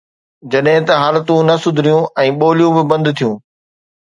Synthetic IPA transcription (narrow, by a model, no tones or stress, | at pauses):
d͡ʑɐɗɦɪ̃t̪ɐɦaːlt̪ũnɐsʊd̪ʱɪɾijũɛ̃ːɓoːlijũbɪbɐ̃nd̪t̪ʰijũː